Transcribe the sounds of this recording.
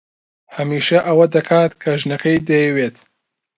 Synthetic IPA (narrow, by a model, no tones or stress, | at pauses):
hɐmiːʃɐʔɐwɐd̪ɐkʰaːt̪kʰɐʒnɐkʰɐjd̪ɐjɐweːt̪